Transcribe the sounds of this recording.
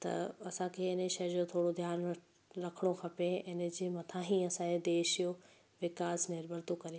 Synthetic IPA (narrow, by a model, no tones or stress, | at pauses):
t̪ɐ̰ɐsãkʰeɪnəʃɐjəd͡ʑot̪ʰoːɽod̪ʱjaːn | ɾɐkʰəɽ̃okʰɐpeɪnə̆d͡ʑemɐt̪ʰãɦĩɐsãed̪eːʃijo | ʋɪkaːznɪɾbʱəɾt̪okɐɾi